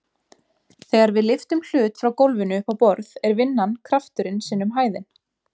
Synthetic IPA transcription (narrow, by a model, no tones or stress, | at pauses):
θɛːɣaɾvɪðlɪft̪ʏml̥ʏːt̪fɾawkowlvɪnʏʏpawpɔɾðɛɾvɪnːankʰɾaft̪ʏɾɪnsɪːnʏmɦaːjðɪn